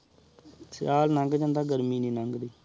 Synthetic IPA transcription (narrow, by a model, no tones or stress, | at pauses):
sɪjaːlnə̃ŋɡd͡ʒə̃nd̪aːɡəɾmiːniːnəŋɡd̪iː